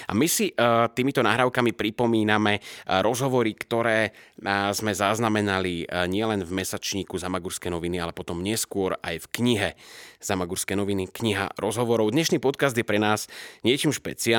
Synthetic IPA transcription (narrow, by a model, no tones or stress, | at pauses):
a̰misit̪iːmit̪ɔnaːɦɾaːʊkamipɾipɔmiːnamɛɾɔzɦɔʋɔɾikt̪ɔɾɛːzmɛzaznamɛnaliɲɪɛlɛnvmɛsat͡ʃɲiːkuzamaɡuɾskɛjnɔʋinialɛpɔt̪ɔmɲɪɛskʊɔɾa̰jfkɲiɦɛz̥amaɡuɾskɛjnɔʋinikɲiɦa̰ɾɔzɦɔʋɔɾɔʊd̪ɲɛʃniːpɔt̪kazd̪jɛpɾɛnaːz̥ɲɪɛt͡ʃiːmʃpɛ̰t͡sia